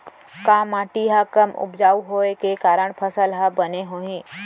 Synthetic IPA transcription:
kaːmaːʈiɦakəmʊ̰bd͡ʒaːuɦoːekekaːɾəɳ̃pʰəsəlɦãbəneɦoːĩː

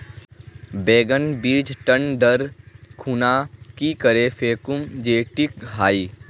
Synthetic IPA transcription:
beːɡənbiːd͡ʒʈəɳɖəɾkʰuːnakikəɾefʰeːkʊmd͡ʒeːʈɪk̚ɦaːiː

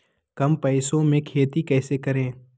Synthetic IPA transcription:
kɐmpɛɪsõmẽkʰeːt̪ikɛːsekɐɾẽː

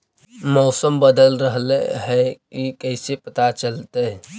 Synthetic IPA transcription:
mɔʊsəmbəd̪əlɾəɦlḛɦɛkikəɪsepət̪at͡ʃəlt̪e

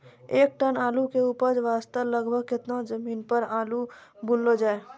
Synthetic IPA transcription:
eːk̚ʈənaːlukeuːpəɾd͡ʒʋaːst̪ələɡbʱəɡkɪt̪nazəmiːnpəɾaːlu | bʊlːod͡ʒaːe

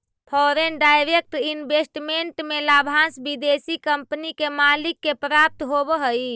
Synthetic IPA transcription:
pʰɔɾenɖajɾek̚ʈinbesʈmeɳʈmelabʱãsbid̪esikəmpnikemalikːepɾap̚t̪ɦobəɦəi

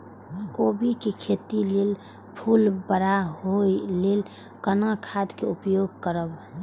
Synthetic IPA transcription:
kobikekʰet̪ilel | pʰulbəɽaɦoilel | kənakʰad̪keʊpjoɡ̚kəɾəb

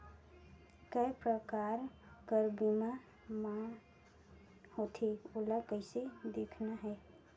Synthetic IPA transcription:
kəjpɾəkaːɾkəɾbimã | mã | hot̪ʰeoləkəised̪eːkʰnaɦɛː

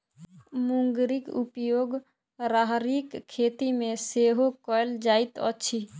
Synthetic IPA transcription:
muŋɡɾikṵpjoːɡ | ɾaɦɾikʰːet̪imẽseɦokɔeld͡ʒait̪ə̰ːʃʰi

